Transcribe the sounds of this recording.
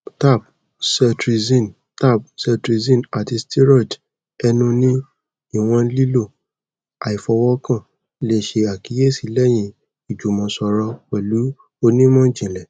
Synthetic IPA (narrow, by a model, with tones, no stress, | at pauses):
ta˦˨p̚ | sɛ˧tɾi˧zĩ˦˨n | ta˦˨b̚sɛ˧tɾi˧zĩ˦˨na˨ti˧sti˦ɾɔ˦˨d | ɛ˧nũ˧nĩ˦ | i˦˨w̃ɔ̃˧li˦lo˦˨ | a˨i˨fɔ˧wɔ˦kã˦˨ | le˦˨ʃe˧a˨ki˨˦je˦˨si˨lɛ˦j̃ĩ˧ | i˨d͡ʒu˨mɔ̃˨sɔ˧ɾɔ˧wɛ˨lu˨˦ | o˧nĩ˦mɔ̃˦d͡ʒĩ˨lɛ˨